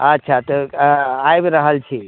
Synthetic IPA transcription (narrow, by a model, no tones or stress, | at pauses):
ətːʃʰat̪ɔajbɾəɦəlt͡ʃʰi